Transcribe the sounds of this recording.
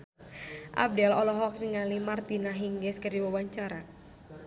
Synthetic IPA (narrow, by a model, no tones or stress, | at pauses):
ʔa̰b̚dɛlɔlɔɦɔk̚niŋalimart̪inaɦiŋɡɛskəriwawaɲt͡ʃaɾa